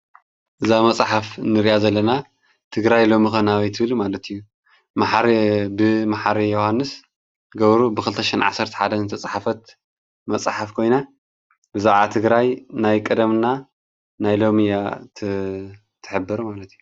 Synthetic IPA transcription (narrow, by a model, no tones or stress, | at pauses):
ʔɨzamɐt͡sʼaħafnɨɾiʔazɐlːɐna | t̪ʰɨɡɾajlo̞mixonaβit̪ʰɨβɨlumalɐt̪ʰɨjːu | maħɾbɨmaħaɾijohanːɨs | ɡɐβɾubɨkɨlɨt̪ʰɐʃinʕa̰sɐɾt̪ʰɐ̥ħad̪ɐnɨt̪ʰɐt͡sʼħafɐt̪ | mɐt͡sʼħafkʰo̞jna | bɨzaʕat̪ʰɨɡɾajnajkʼɨd̪ɐmna | najlo̞mijat̪ʰ | t̪ʰɨ̥ħɨbːɨɾumalɐt̪iju